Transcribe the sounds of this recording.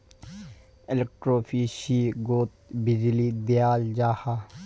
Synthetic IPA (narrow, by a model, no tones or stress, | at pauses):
ɪlek̚ʈɾoːfiʃiɡoːt̪̚bid͡ʒlid̪ijaːld͡ʒaːha